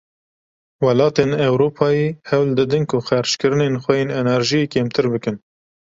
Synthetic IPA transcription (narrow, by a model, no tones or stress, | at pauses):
wɛlɑːt̪eːnɛwɾoːpʰɑːjihɛwld̪ɨd̪ɨnkʰʊxæɾʃkɨɾɨneːnxʷɛjeːnɛnɛɾʒijekeːmt̪ʰɨɾbɨkɨn